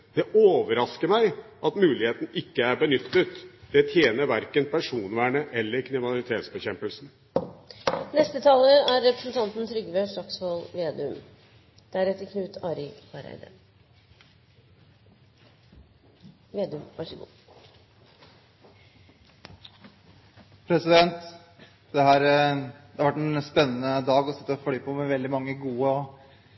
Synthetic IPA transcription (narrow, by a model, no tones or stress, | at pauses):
d̪̥ɛʔoːʋəɾɑskəɾmæɪʔɑt̪mʉːlɪheːt̪n̩ɪkːəæɾbənʏt̪ːət̪d̪̥ɛt̪ʰjeːnəɾʋæɾkənpʰæʂuːnʋæːɳəʔɛlːəɾkʰɾɪmnɑlɪt̪ʰeːt̪sbəçɛmpəlsn̩ | nɛst̪ət̪ʰɑːləæɾːɛpɾəsn̩t̪ʰɑnt̪n̩t̪ʰɾʏɡʋøʂɑksʋolʋeːd̪ʉm | d̪̥ɛæɾɛt̪ːəkʰnʉːt̪ʰɑːɾɪɑɾæ̰ɪd̪ə̰ | ʋeːd̪ʉmʋɑ̰ʂəɡṵː | pʰɾɛsɪd̪ɛnt̪ | d̪̥ɛhæːɾd̪ɛhɑɾʋæʈːɛnspɛnːənəd̪ɑːɡɔsɪ̥t̪ːəflyːpʰɔmɛʋɛld̪ɪmɑŋːəɡuːəɔ